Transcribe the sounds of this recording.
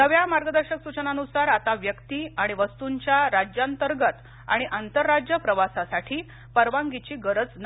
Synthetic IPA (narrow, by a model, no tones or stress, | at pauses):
nəʋjamaɾɡəd̪əɾɕəksut͡ɕənanusaɾat̪aʋjəkt̪iːaɽ̃iʋəst̪uɲt͡ɕjaɾad͡ʑjant̪əɾɡət̪ | a̰ɽ̃iʔant̪əɾːad͡ʑjəpɾəʋasasaʈʰiː | pəɾʋaŋɡit͡ɕiːɡəɾəd͡zn